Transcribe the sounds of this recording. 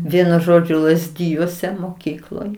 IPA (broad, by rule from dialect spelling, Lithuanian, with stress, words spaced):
ˈʋʲiɛnʊ ˈʒoːd͡ʒʲʊ lˠɐzʲˈdʲɪjuɔsʲɛ moːˈkʲiːklˠoːj